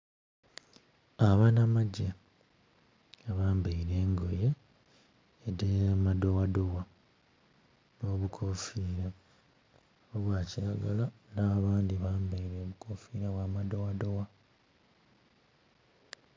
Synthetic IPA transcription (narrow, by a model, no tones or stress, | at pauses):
aβanamaɟe | aβaːmbaiɾe̞ːŋɡo̞je | edemado̞wado̞wa | noːβukʰofiːɾa | βoβwaːciaɡalanaːβaːndiβaːmbaiɾeːβukʰofiːɾaβwaːmado̞wado̞wa